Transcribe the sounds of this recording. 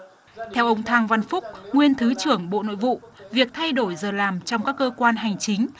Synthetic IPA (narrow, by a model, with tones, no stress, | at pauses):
t̪ʰɛ˧wʔə˧wŋ͡mt̪ʰaː˧ŋva˧nfʊ˦˥k͡p̚ŋwi˧ənt̪ʰɨ˨˦t͡ɕɨ˧˩əŋɓo̰˧˨no̰˧˨jvṵ˧˨vi˨˩ək̚t̪ʰa˧jɗo˧˩jzəː˨˩laː˨˩mt͡ɕɔ˧wŋ͡mkaː˦˥kːəː˧kwaː˧nɦa˨˩jŋ̟t͡ɕï˨˦ŋ̟